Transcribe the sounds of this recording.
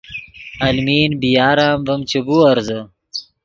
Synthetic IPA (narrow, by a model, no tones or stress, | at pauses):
ɐlmiːnbijaːɾaːmvɐmt͡ɕebuːɐɾzɐ